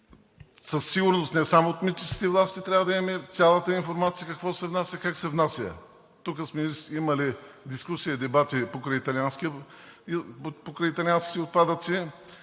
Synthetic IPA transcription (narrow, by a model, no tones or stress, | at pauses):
səsːiɡʊɾnost̪nɛsamoot̪mit͡ʃi̥skʲi̥t̪ɛvlˠast̪it̪ɾʲavəd̪ɐɛmɛt̪sʲalˠət̪əinfoɾmat̪sijəkɐkvɔsɛvnasʲjəkaksɛvnasʲə̰ | t̪ukəsmɛimɐlid̪iskusijəd̪ɛbat̪ipokɾəit̪ɐlʲianskiə | pokɾəjit̪ɐlianskit̪ɛot̪̚pad̪ət̪si